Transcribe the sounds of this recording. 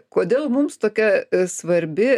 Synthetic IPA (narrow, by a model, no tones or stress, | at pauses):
koːd̪ʲeːlˠmʊmst̪oːkʲɛsʋɐɾʲbʲɪ